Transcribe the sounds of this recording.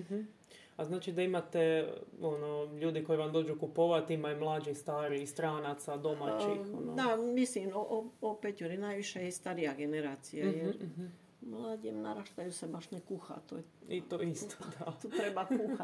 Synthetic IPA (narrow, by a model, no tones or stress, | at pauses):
aznaːt͡ʃid̪aimat̪ɛonoʎuːd̪iko̞jiʋamd̪o̞ːd͡ʒukupoʋat̪imajumlˠaːd͡ʒixst̪aːɾist̪ɾaːnat̪sad̪omat͡ʃixod̪amisliːmoʔoopɛc̪uɾinajʋiʃɛjɛst̪aɾijaɡenɛɾaːt͡s̪ijajɛɾ | mlaːɟiːmnaɾaʃt̪ajusɛbaʃnɛkuxa̰t̪ojɛit̪oist̪ʰod̪at̪ut̪ɾɛbakuːxa